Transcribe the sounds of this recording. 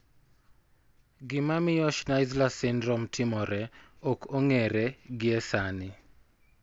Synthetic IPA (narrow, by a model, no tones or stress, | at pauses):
ɡɪmamɪjɔʃnaɪzlasɪndɾɔmtʰɪmɔɾɛɔkoŋeɾɛɡɪɛsanɪ